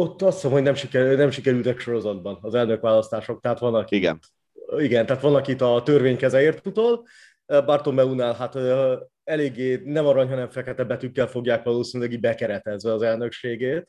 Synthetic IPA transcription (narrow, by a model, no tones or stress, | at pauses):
o̞t̪ːɒst̪somhonɛmʃikɛnɛmʃikɛɾylt̪ɛkʃo̞ɾo̞zɒd̪̚bɒnɒzɛlnøkʋaːlɒst̪aːʃo̞k̚t̪ɛɦaːt̪ʋɒnɒkiiɡɛ̰n | iɡɛnt̪ɛɦaːt̪ʋɒnɒkit̪ɒt̪ørvʋeːɲkɛzɛeːrt̪ut̪oːl | bɒrt̪omɛunaːlɦat̪ | ɛleːɡːeːnɛmɒɾɒɲɦɒnɛɱfɛkɛt̪ɛbːɛt̪ykːɛlfo̞ɡjaːkʋɒloːsinylɛɡiɟ̚bɛkɛɾɛt̪ɛzʋɛɒzɛlnø̞kʃeːɡeːt̪